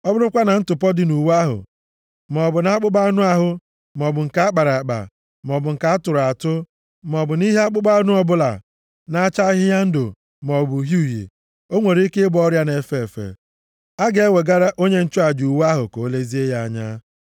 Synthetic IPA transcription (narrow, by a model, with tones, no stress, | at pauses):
ɔ˦bʊ˦ɾʊ˦kʷa˦na˨n̩˦tʊ˨pɔ˦dɪ˨nu˨wa˦ɦʊ̰˨ | m˨ɔ˨bʊ˨na˨a˦k͡pʊ˦ba˦nʊ˦a˦ɦʊ˦ | m˨ɔ˨bʊ˨ŋ̩˨ka˨˦a˦k͡pa˨ɾa˨k͡pa̰˨ | m˨ɔ˨bʊ˨ŋ̩˨ka˨a˦tʊ˨ɾa˨tʊ˦ | m˨ɔ˨bʊ˨ni˦ɦe˦a˦k͡pʊ˦ɡ͡ba˦nʊ˦ɔ˦bʊ˦la̰˨ | na˨˦a˦t͡ʃa˦ɦɪ˦ja˦n̩˦do̰˨ | m˨ɔ˨bʊ˨ɦu˦˨jḛ˨ | o˦ŋʷe˨ɾi˦kɪ˦bɔ˦ɾja˦ne˨fe˦˨e˨fḛ˨ | a˦ɡe˨e˦we˨ɡa˦ɾa˦ʔo˦ɲe˦n̩˦t͡ʃʊ˦a˨d͡ʒu˨wa˦ɦʊ˨ko˨˦le˦zi˦e˦ja˦a˦ɲa˦